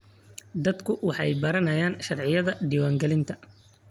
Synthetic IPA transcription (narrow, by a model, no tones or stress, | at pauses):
d̪ɐd̪kʰʊwɑħɑ̰jbɐɾɐnɐjaːnʃɐrʕɪjɐðɐɖiːwaːŋɡɛlɪnt̪ʰɐ